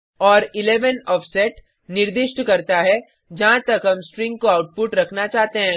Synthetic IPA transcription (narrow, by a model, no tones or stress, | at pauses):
ɔːɾɪleːʋənɔːfsɛʈ | nɪɾd̪ɪʃʈkɐɾt̪aɦɛ | d͡ʒɐɦãt̪ɐkɦɐmsʈɾɪ̃ŋɡ̚koaːʊʈ̚pʊʈɾɐkʰnat͡ʃaːɦt̪eɦɛ̃